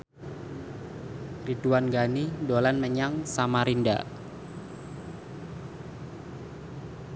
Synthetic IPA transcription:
riduwanɡanidolanməɲaŋsamaɾinda̰

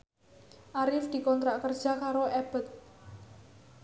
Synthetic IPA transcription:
ʔaɾɪfd̪̥i̤kɔnt̪ɾaʔkərd̥ʒ̥a̤kaɾoʔɛb̥ət̪̚

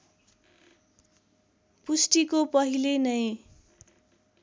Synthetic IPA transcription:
pusʈikopʌɦilenʌj̃

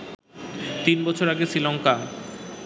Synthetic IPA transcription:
t̪inbɔt͡ɕʰoɾaɡesilɔŋka

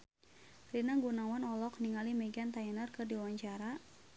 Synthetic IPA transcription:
rinaŋɡunawanɔlɔkniŋalimɛɡant̪ainərkɨrdiwaɲt͡ʃaɾa

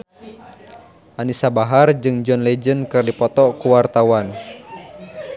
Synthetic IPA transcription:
ʔanisabaɦard͡ʒɨŋd͡ʒɔnlɛd͡ʒənkɨrdipɔt̪ɔkuwart̪awan

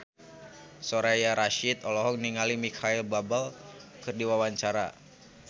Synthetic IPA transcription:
soɾajaɾaʃit̪ɔlɔɦɔkniŋalimikʰailbabalkɨrdiwawaɲt͡ʃaɾa̰

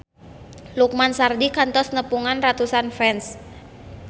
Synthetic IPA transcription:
luk̚mansardikant̪ɔsnəpuŋanrat̪usanfɛns

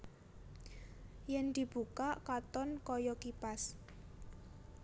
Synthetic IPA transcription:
jɛnd̪̥i̤b̥ukakat̪ɔnkɔjɔkipas

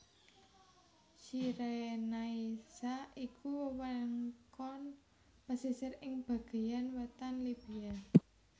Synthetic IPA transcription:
ʃiɾenaisaʔikʰuwəwaŋkɔn | pəsisɪɾɪŋb̥ä̤ɡ̥e̤janwət̪anlib̥i̤a

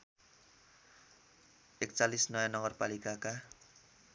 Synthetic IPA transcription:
ek̚t͡ʃalisnɔjanɔŋɔrpalikaka

